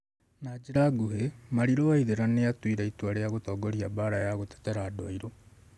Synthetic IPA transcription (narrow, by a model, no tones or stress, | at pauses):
nad͡ʒeɾaɡuhemaɾiɾoaiðeɾaneatwiɾaitwaɾeaɣotɔːɡɔɾiabaɾajaɣotɛ̥tɛɾaːdwaiɾo